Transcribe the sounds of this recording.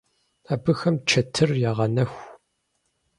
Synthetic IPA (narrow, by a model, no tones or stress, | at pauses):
aːbɨxɐmt͡ʃʰɐtʰɨrjaːʁɐnɐxʷ